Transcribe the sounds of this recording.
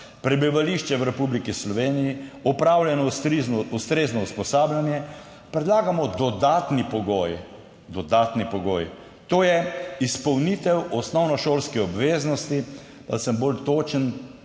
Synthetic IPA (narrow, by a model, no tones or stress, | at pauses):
pɾɛbiʋaliʃt͡ʃɛwɾɛpublikislɔʋeːnijiɔpɾawlʲjɛnɔiust̪ɾeznɔuspɔsaːblʲjanjɛ | pɾɛd̪laːɡamɔd̪ɔd̪aːt̪nipɔɡoːj | d̪ɔd̪aːt̪nipɔɡoːj | t̪oːjɛispɐwnit̪ɛwɔsnɔwnɔʃoːlskɛɔbʋeːznɔst̪i | d̪a̰səmbolt̪oːt͡ʃən